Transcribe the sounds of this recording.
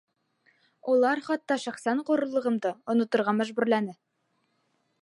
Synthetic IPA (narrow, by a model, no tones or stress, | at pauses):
ulˠɑɾχɑt̪ːɑʃæχsæɴquɾɤ̆lˠɤ̆ʁɤ̆md̪ɤŏnŏt̪ŏɾʁɑmæʒbʉɾlænɘ